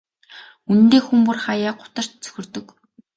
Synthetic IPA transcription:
un̆nt̪eːxumpurχajaːɢʊ̥t̪ə̆r̥t̪t͡sɵ̥xʲɵ̆rt̪ɵ̆k

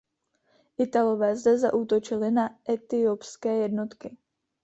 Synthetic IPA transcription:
ʔɪt̪alo̞vɛːzdɛza̰ʔuːt̪o̞t͡ʃɪlɪnaʔɛt̪ɪopskɛːjɛdno̞t̪kɪ

